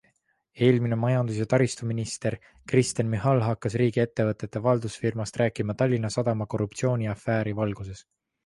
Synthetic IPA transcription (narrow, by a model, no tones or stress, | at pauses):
e̞ːlminemɑjɑnd̪us̬jet̪ɑɾist̪uminist̪e̞ɾ | krist̪enmiɦɑlɦɑkːɑsriːɡ̥ie̞t̪ːe̞vɤt̪ːˑe̞t̪ːˑe̞vɑld̪usfirmɑst̪rʔæːkˑimɑt̪ɑlʲːinːɑsɑd̪̥ɑmɑko̞rup̚t̪sio̞ːnʲiɑfːæːɾivɑlɡ̥use̞s